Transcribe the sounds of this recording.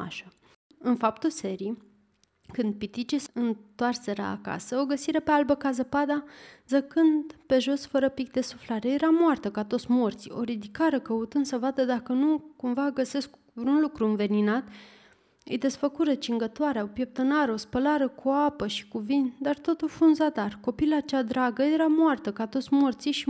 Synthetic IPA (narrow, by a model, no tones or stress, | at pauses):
a̰ʃa | ɨnfapt̪use̞ɾii | kɨnd̪̚pit̪it͡ʃisɨnt̪oarse̞ɾə̰a̰ka̰səoɡəsiɾe̞pealbəkazəpad̪azəkɨnd̪pe̞ʒo̞sfəɾəpik̚d̪e̞suflaɾejeɾamoart̪əkat̪o̞t̪sʲmo̞rt̪sio̞̰ɾid̪ikaɾəkəut̪ɨnsəvad̪əd̪akənukumvaɡəse̞sk | vɾunlukɾuɨnve̞ninat̪ | ɨ̰jd̪e̞sfəkuɾət͡ʃiŋɡət̪oaɾeaopje̞p̚t̪ənaɾeo̞spəlaɾəkuapəʃi̥kuvind̪art̪o̞t̪ufunzad̪arko̞pilat͡ʃad̪ɾaɡəje̞ɾamoart̪əkat̪o̞t̪sʲmort̪siʃi